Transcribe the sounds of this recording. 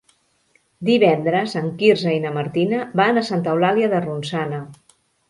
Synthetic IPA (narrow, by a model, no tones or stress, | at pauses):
d̪iβɛnd̪ɾəzəŋkirzəinəməɾt̪inəbanəsant̪əwlaliəðərunsanə